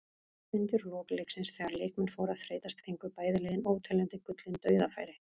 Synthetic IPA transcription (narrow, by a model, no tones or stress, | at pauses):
ɪnt̪ʏɾlɔːkleːksɪnsθɛːɣaɾleːkmɪnfoːwɾaðfɾeːjt̪ast̪fejŋkʏɾpaːjðɪlɪːðɪnoːwt̪ʰɛlɛnt̪ɪkʏt̪lɪnt̪œːɥðafa̰ːjɾɪ